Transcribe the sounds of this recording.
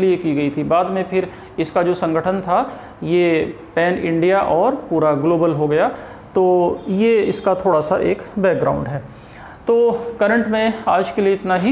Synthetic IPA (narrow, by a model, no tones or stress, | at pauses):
liekiɡɐit̪ʰibaːd̪mẽpʰɪɾ | ɪskad͡ʒoːsɐ̃ŋɡʱəʈʰənt̪ʰa | je | pɛːnɪ̃ɳɖijaʔɔːɾpuːɾaɡloːbəlɦoɡɐja | t̪oːjeɪskat̪ʰoːɽasaʔeːkbɛːk̚ɡɾa̰ːʊ̃ɳɖɦɛː | t̪oːkɐɾə̃ɳʈmẽaːd͡ʒkelieɪt̪naɦi